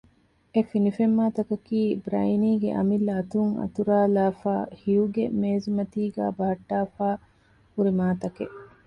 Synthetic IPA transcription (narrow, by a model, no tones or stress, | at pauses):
efinifemːaːt̪ɐkɐkiːbɾɐ̰jniːɡḛʔɐ̰milːɐːt̪uŋɐ̰t̪uɾaːlaːfaːhijuɡemeːzumɐt̪iːɡæ̰ːbɐɦɐʈːaːfaː | huɾimaːt̪ɐkeʔ